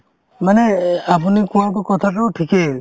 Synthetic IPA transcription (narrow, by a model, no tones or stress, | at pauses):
manɛap̬unikuwaɹpɔkɔt̪ʰatɔɔʈʰikɛ